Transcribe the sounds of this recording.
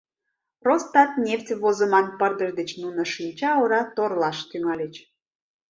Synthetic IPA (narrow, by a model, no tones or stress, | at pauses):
rost̪ɑt̪nʲeftʲβozəmɑnpərd̪əʒd̪et͡ɕnunə̆ʃinʲt͡ɕɑoɾɑt̪orlɑʃt̪yŋɑlʲet͡ɕ